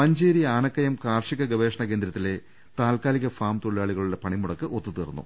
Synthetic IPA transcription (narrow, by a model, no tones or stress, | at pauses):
pɐɲd͡ʑeːɾiaːɳɐkːɐjɐmkaːrʂiɣɐɡɐʋe̞ːʂɐɳɐke̞ːnd̪ɾɐt̪ːile̞ | t̪aːlkaːliɣɐfaːmt̪oɭiaːɭiɣɐɭuɽepɐɳimuɽɐkːɨʔo̞t̪ːut̪iːrunːṵ